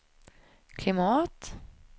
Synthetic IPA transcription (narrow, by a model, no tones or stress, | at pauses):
kʰlɪmɑːt̪